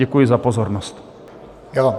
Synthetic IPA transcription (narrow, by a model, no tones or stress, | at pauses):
ɛkujizapɔzɔɾnɔst̪ | jaa